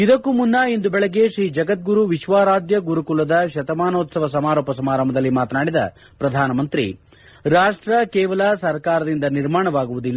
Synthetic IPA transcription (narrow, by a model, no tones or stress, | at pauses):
id̪ɐkːumunːɐind̪ubɛɭɐɡːe̞ʃɾiːd͡ʒɐɡɐt̪̚ɡuɾuʋiʃʋaːɾaːd̪jɐɡuɾukulɐd̪ɐʃɐt̪ɐmaːnoːt̪sɐʋɐs̬ɐmaːɾoːpɐsɐmaːɾɐmbɐd̪ɐlːimaːt̪ɐnaːɽid̪ɐ̰ | pɾɐd̪ʱaːnɐmɐnt̪ɾḭ | ɾaːʂʈɾɐkɛːʋɐlɐsɐɾkaːɾɐd̪ind̪ɐniɾmaːɳɐʋaːɡuʋud̪ilːɐ